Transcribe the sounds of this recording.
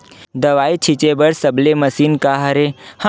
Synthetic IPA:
d̪ɐʋaːit͡ʃʰɪt͡ʃebəɾsəbleməsiːnkaːɦɐɾehã

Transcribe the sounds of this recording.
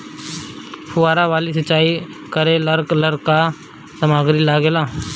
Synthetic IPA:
pʰʊaːɾaʋaːlis̬ət͡ʃːaːi | kəɾeləɾkləɾka | sɐmaːɡɾilaːɡeːlaː

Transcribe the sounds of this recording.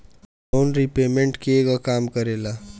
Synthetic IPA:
loːnɾipeːmẽɳʈkeeɡɔkaːmkəɾeːla

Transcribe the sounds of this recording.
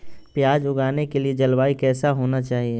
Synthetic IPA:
pjaːd͡ʒʊɡaːnekelied͡ʒɐlwaːikɛːsaɦoːnat͡ʃaːɦie

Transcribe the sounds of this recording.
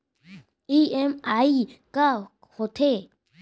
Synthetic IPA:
iemaika | hot̪ʰe

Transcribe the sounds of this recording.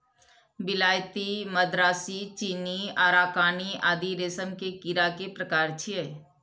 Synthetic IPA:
bɪlaːjt̪iməd̪ɾaːsit͡ʃiniaːɾaːkaːniaːd̪iɾeːsəmkekiɾakepɾəkaːɾt͡ʃʰiɛ

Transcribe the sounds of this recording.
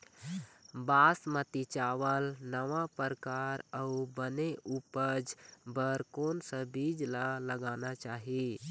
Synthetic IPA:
baːsmət̪it͡ʃaːʋəlnəʋapəɾkaːɾəubəneʔupəd͡ʒbəɾkoːnsə̃bid͡ʒlaləɡaːnat͡ʃaːɦi

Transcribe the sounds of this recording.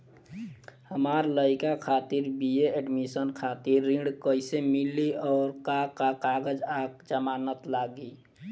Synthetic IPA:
həmaɾləikakʰat̪iɾbieeɖmisənkʰat̪iɾːĩɳɖkəɪsemilːiɔːɾkakakaɡəd͡ʒakd͡ʒəmanət̪laɡi

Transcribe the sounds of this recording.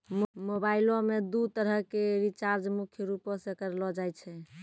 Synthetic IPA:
mobailõmed̪ut̪əɾəɦkeɾit͡ʃaɾd͡ʒmukʰjəɾupɔ̃sekəɾlɔd͡ʒajt͡ʃʰɛ

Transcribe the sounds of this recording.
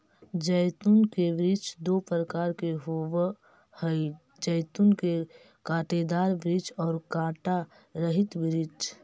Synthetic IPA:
d͡ʒəjt̪unkebɾɪt͡ʃd̪opɾəkaːɾkeɦow | həj | d͡ʒəjt̪unke | kaːʈed̪aːɾbɾɪd͡ʒɔːɾkaːʈa | ɾəɦɪt̪bɾɪd͡ʒ

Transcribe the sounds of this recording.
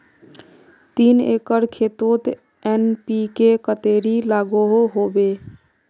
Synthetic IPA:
t̪inḛkəɾkʰet̪ot̪ | ɛnpikekət̪eːɾilaːɡoɦoɦobe

